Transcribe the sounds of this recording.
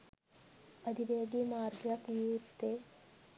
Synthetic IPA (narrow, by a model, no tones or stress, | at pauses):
ɐd̪ʱiʋeːɡ̪imaːɾɡjɐkjuːt̪ːe